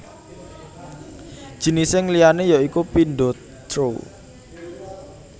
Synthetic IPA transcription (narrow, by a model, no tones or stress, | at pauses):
d̥ʒ̥i̤nisɪŋlijanejɔikupindɔ | t̪ɾo